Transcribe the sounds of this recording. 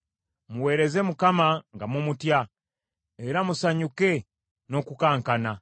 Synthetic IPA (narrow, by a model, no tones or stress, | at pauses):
muwe̞ːɾe̞ze̞mukamaŋɡamumutja | eɾamusaɲuke̞ | no̞kukaːŋkana